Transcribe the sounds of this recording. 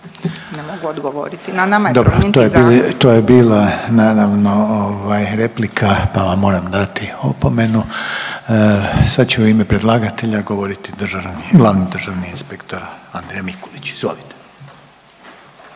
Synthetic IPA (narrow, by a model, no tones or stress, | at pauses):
nemoɡuod̪ɡoʋoɾit̪naad̪obɾot̪ojeilt̪oːjebiːlˠanaːɾaʋno̞oʋajɾeplikʰapaʋamːo̞ːɾamd̪at̪iopome̞nu | sad̪t͡ɕeuime̞pɾe̞d̪lˠaɡat̪e̞ʎaɡo̞ʋo̞ɾit̪id̪r̩ʒaniɡlˠaːʋnid̪ɾrʒaʋniinspekt̪o̞ɾaand̪ɾejamikoʋit͡ɕizʋo̞̰lit̪e̥